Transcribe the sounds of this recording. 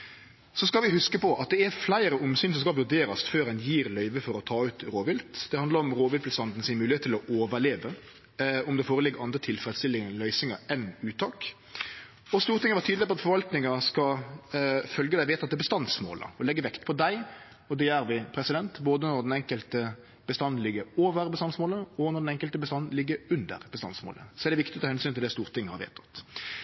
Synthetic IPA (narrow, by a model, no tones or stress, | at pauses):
sɔskɑlʋɪhʉskəpɔʔɑt̪̚d̪ɛæflæɪɾəʔʊmsyːnsɔmskɑlʋʉɾd̪eːɾɑsføːɾɛnjiːɾlœʏʋəfɔɾɔt̪ʰɑːʉːt̪ɾoːʋɪlt̪d̪̥ɛhɑnd̪ɑɾɔmɾoːʋɪlpʰləsɑnd̪n̩sɪnmʉːlɪeːt̪ʰːɪlɔʔoːʋəɭeːʋə | ɔmd̪ɛfoːɾəlɪɡːɑnd̪ɾət̪ʰɪlfɾɛd̪st̪ɪlɪəlœʏsɪŋɑɛnʉːt̪ʰɑːk | ɔst̪uːɾt̪ʰɪŋəʋɑt̪ʰyːd̪lɪp̬ʰɔɑt̪fɔɾʋɑlt̪nɪŋɑskɑ | fœlɡəd̪æɪʋeːt̪ɑt̪̚d̪ɛbəst̪ɑnsmo̰ːlə̰ɔlɛɡːəʋɛkt̪pʰɔd̪æɪ | ɔd̪ɛjæːɾʋɪpʰɾɛsɪd̪ɛnt̪boːd̪ənɔɾd̪ɛnɛŋkəlt̪ə | b̥əst̪ɑnːlɪɡːəoːʋəɾbəst̪ɑnsmoːləɔnɔɾdɛnɛŋkəlt̪əbəst̪ɑnːlɪɡːəʉnd̪ə̰ɾbəst̪ɑ̰nsmo̰ːlə̰sɔɛːɾd̪ɛʋɪkt̪ɪtɔt̪ʰɑhɛnsyːnt̪ɪld̪ɛst̪uːɾt̪ʰɪŋːəhɑɾʋḛːt̪ʰɑ̥t̪